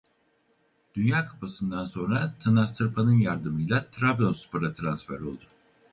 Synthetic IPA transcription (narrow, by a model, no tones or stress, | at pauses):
d̪̥ynjaːkʰḁpʰasɯnd̪anso̞nɾat̪ʰanast̪ɯɾpʰanɯnjaɾd̪ɯmɯjlˠat̪ʰɾablʲonsu̥pʰaɾat̪ʰɾansfæ̰ɾo̞lˠd̪ʊ